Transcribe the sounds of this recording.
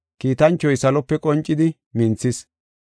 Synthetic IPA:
kiːt̪ɐnt͡ʃːɔjsɐlɔpːɛkʼɔnt͡ʃʼːɪd̪ɪ | mɪnt͡sːɪs

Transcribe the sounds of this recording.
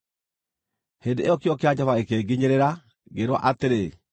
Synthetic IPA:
hendeʔejɔkeɔkead͡ʑaβaekeɡiɲeɾeɾa | ɡeɾwɔ̰ʔateɾe

